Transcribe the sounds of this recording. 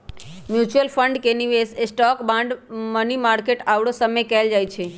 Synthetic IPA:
mjut͡ʃuəlfʰəɳɖkeniʋesesʈɔkbãɳɖmənimaɾkeʈaʋɽosəmejkɛld͡ʒajt͡ʃʰe

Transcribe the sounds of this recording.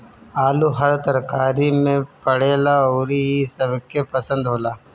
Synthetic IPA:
aːluɦɐɾt̪ɐɾkaːɾimẽpɐɽeːlaoːɾiisəbkepɐsə̃nd̪ɦoːlaː

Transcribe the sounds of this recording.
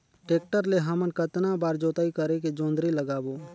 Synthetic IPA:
ʈeːk̚ʈəɾleɦamənkət̪nabaːɾd͡ʒoːt̪aːikəɾek̬ed͡ʒõːnd̪ɾiləɡaːboː

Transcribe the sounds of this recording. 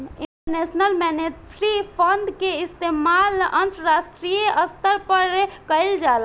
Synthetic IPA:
ĩɳʈəɾnesnəlmɛneʈɾipʰə̃nd̪keɪst̪emalə̃nt̪ɾəɾasʈɾijeəst̪əɾpəɾkəɪld͡ʒal

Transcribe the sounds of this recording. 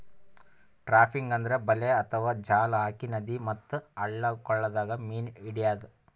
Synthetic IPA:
ʈɾaːpʰiŋɡɐnd̪ɐɾebɐleɐt̪ʰɐʋaːd͡ʒaːlaːkinɐd̪imɐt̪ːɨɐɭːɐkɔɭːɐd̪aːɡɐmiːniɽijaːd̪u

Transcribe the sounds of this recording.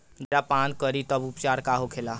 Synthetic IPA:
d͡ʒeɽapankəɾit̪əbupt͡ʃaɾkaɦokʰela

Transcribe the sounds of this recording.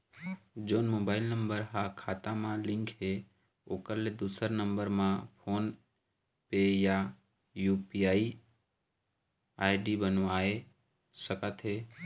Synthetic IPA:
d͡ʒoːnmoːbaːɪlnə̃mbəɾɦakʰaːt̪ãmãlɪ̃ŋkɦe | oːkəɾled̪uːsəɾnə̃mbəɾmãpʰoːn | peja | juːpiaːi | aːɪɖibənʋaːe | səkət̪ʰɦeː

